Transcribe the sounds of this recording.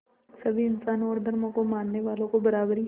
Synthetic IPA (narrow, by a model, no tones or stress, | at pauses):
sɐbʱiɪnsaːnõɔːɾd̪ʱɐɾmõkomaːnːeʋaːlõkobɐɾaːbɾi